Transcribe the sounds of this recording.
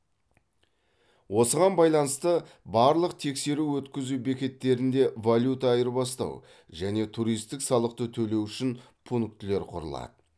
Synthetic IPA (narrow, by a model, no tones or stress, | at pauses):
wo̞səʁɑnbɑjlˠɑnəst̪ə | bɑɾlˠəqt̪ʰe̞kse̞ɾuwɵt̪kʲɪzube̞kʲe̞t̪ːe̞ɾɪnd̪e̞valʲjut̪ɑːjəɾbɑst̪ɑ̰w | ʒæne̞t̪ʰuɾijst̪ɪksɑlˠəq̚t̪ət̪ʰɵle̞wʏʃɪn | pʰunk̚t̪ɪle̞ɾqʰʊ̰ɾə̰lˠɑ̰d̪̥ə